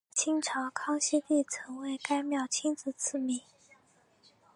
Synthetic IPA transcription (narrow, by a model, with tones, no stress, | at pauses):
t͡ɕʰi˥ŋʈ͡ʂʰɑ˧˥ʊkʰɑ˥ŋɕi˥t̪i˥˩t͡sʰɤ˧˥ŋwe˧˥ɪka˥ɪmjɑ˥˩ʊt͡ɕʰi˥nt͡sɹ̩˥˧˩t͡sʰɹ̩˥˩mi˨˩˦